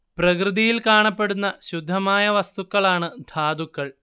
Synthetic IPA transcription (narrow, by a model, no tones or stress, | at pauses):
prɐkrɨðijilkaːɳɐpːe̞ɽunːɐɕud̪ʱːɐmaːjɐʋɐst̪ukːɐɭaːɳɨd̪ʱaːd̪ukːɐɭ